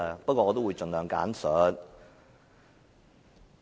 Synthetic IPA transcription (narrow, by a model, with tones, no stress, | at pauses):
pɐ˥kʷːɔː˧ɔː˧t̪o˥wu˨˧jt͡ʃɵ˨nlœː˨˧ŋka̰ː˨˥nsœ˨˥n